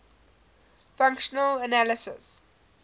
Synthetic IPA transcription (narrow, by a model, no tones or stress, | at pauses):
fãŋkʃənələnalɪsɪ̰s